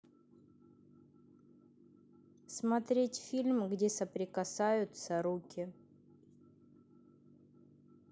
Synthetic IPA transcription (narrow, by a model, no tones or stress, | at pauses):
smɐt̪ɾʲetʲfʲilʲmɡdʲesəpɾʲɪkɐsajʊt̪səɾukʲɪ